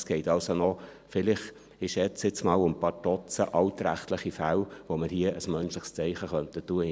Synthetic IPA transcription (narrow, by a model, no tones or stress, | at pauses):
sɡ̥ɛɪtɑlsonɔ | fɪlɪχ | ɪʃɛt͡sɪt͡smɑːlənpɑːɾdɔt͡səʔɑʊt̪ɾæ̰χtləχifælʋoməɾhiəʔəsmœnʃləχst͡sɛɪχəχœntətːuə